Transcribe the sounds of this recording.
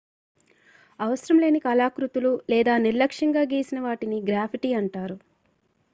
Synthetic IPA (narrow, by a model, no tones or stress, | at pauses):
ɐʋɐsɾɐmle̞ːnikɐːlaːkɾut̪ululɛːd̪aːniɾlɐkʂɐŋɡaːɡeːsinɐʋaːʈiniɡɾaːpʰiʈiːɐɳʈaːɾu